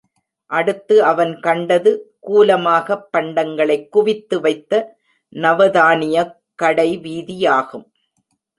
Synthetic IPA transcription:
ʔɐɽɯt̪ːɯɐʋɐnkɐɳɖɐðɯkuːlɐmaːɣɐpːɐɳɖɐŋɡɐɭɐɪkːʊʋɪt̪ːɯʋɐɪt̪ːɐ | nɐʋɐðaːnɪjɐ | kːɐɽɐɪʋiːðijaːɣɯm

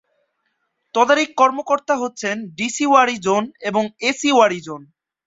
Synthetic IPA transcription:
t̪ɔd̪aɾikːɔɾmokoɾt̪aɦotːɕʰenɖisiwaɾid͡ʑoneboŋesiwaɾid͡ʑon

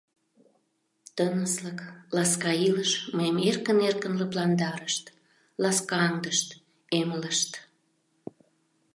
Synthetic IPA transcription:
t̪ənəsləklɑskɑiləʃməemerkənerkənləplɑnd̪ɑɾəʃt̪ | lɑskɑɑŋd̪əʃt̪ | emələʃt̪

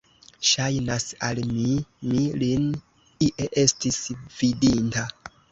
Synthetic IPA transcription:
ʃajnasa̰lmimilin | iʔeʔe̞stisvidinta

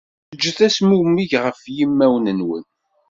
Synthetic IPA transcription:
əd͡ʒːəθæsmumːiʝʁəfjimːæwnənwə̰n

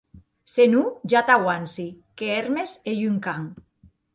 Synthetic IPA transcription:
senuʒat̪awansi | keeɾmesejyŋkaŋ

